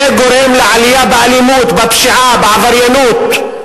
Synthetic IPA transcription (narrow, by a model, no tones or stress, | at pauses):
eɡoɾemleʕalijabeʕalimut̪bapʃiʕabeʕavaɾjanut̪